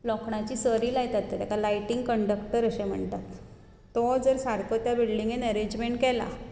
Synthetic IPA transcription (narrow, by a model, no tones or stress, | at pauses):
lɔkɳat͡ɕiːsəɾiːlajt̪at̪ːet̪jakalajʈiŋɡkəɳɖəkʈəɾəɕem̤ə̰ɳt̪at̪ː | ɔd͡zəɾsaɾkʰot̪jabiɭliŋɡenɛɾed͡ʑmeɳʈkɛla̰